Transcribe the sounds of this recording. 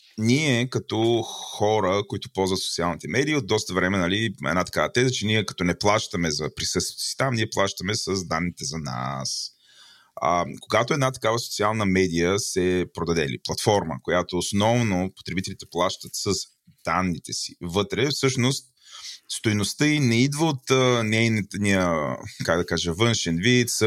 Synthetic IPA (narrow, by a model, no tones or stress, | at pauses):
niɛkɐt̪ɔxɔɾəkoit̪ʊ̥pɔlzvət̪so̥t̪sialˠnit̪ɛmɛd̪iəod̪d̪ɔst̪əvɾɛmɛnɐliɛ̰nat̪ɐ̥kavət̪ɛzət͡ʃɛniɛkɐ̥t̪ɔnɛplˠaʃt̪əmɛzɐpɾisɤst̪vi̥t̪o̥si̥t̪amniɛplˠaʃt̪əmɛsəzd̪anːit̪ɛzɐna̰s | ə̰koɡat̪oɛd̪nat̪ɐ̥kavəso̥t̪sialˠnəmɛd̪ijəsɛpɾod̪ɐd̪ɛ̰lḭplˠɐt̪fɔɾmə̰kojat̪oːsnɔvnopo̥t̪ɾɛbit̪ɛlit̪ɛplˠaʃt̪ət̪səs | d̪̥anːit̪ɛsivɤt̪ɾɛfsɤʃnost̪̚ | st̪ojnost̪əinɛid̪vəot̪ənɛjnt̪niəkaɡd̪ɐkaʒəvɤnʃɛnvit̪s